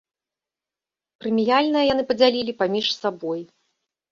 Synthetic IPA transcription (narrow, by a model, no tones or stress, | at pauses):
pɾɨmʲijalʲnɐjɐjanɨpɐd͡zʲalʲilʲipamʲiʂsabɔj